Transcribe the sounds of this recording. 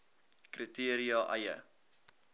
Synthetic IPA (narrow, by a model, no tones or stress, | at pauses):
kritiəɾiɑʔɐjə̰